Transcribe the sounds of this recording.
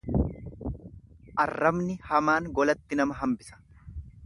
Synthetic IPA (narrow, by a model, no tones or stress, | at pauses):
ʔɐrːɐmnɪhɐmaːŋɡɔlɐt̪ːɪnɐmɐɦɐmbɪsɐ̥